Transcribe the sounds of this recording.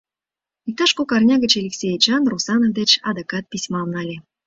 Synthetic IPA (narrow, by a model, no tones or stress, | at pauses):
ik̚t̪ɑʃkokɑrnʲɑɣə̆t͡ɕelʲiksʲejt͡ɕɑnrusɑnovd̪et͡ɕɑd̪ɑkɑt̪̚pisʲmɑlnɑlʲe